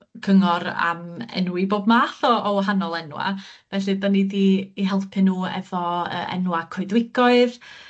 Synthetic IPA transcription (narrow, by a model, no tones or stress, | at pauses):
kʰəŋɔɾa̰mɛ̰nwiboːbmaːθɔːɔɦanɔlˠɛnwa̰v̥ɛɬɨdɔnɪdiːɦɛlˠpʰɨnuːɛ̰vɔə̰ɛ̰nwakʰɔɨðwɪɡ̥ɔɨð